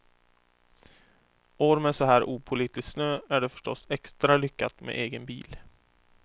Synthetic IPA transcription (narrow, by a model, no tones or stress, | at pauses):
oːɾmɛsɔɦæːɾʔuːpʰʊliːt̪ɪsksnøːæɖɛfœ̥ʂʈɔsɛkst̪ɾalʏkːat̪mḛʔeːɡənbiːl